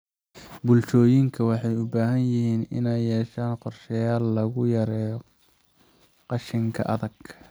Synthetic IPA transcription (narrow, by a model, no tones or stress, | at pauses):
bʊlt͡ʃɔːjɪŋkʰɐwɑħɑjʊbaːɦɐnjɪɦiːnɪ̰nɛjːɛːʃaːnqɔrʃɛjaːlːɐɣʊjɐɾɛːjɔ | qɑʃɪŋkʰɐ̰ʔɐðɐɡ̥